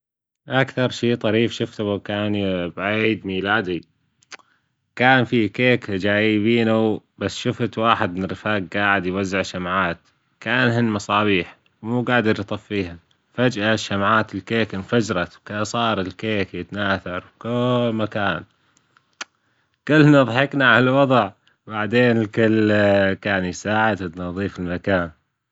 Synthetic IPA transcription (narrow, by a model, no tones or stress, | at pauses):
ʔakθɑɾˤʃiːt̪ˤɑɾiːfʃʊft̪aakaːnibaʕiːd̪miːlaːd̪i | kaːnfikeːkd͡ʒaːjɪβiːnabasːʃʊft̪waːħɪd̪mnɾɪfaːɡɡaːʕɪd̪jwazːɪʕʃamʕaːt̪ | kaːnɦɪnːmɑsˤɑːβiːħ | wmuːɡaːʕd̪ɪɾjt̪ˤɑfːiːha | fad͡ʒʔaʃamʕaːt̪ɪlkeːkɪnfad͡ʒɾˤɑt̪wkaʔsˤɑːɾˤɪlkeːkjɪt̪naːθɑɾˤwkʊlːmakaːn | kʊlːnɨðˤħɪknaʕaalwɑðˤʕ | baʕd̪eːnɪlkʊlkaːnisaːʕad̪t̪nɑðˤiːfɪlmakaːn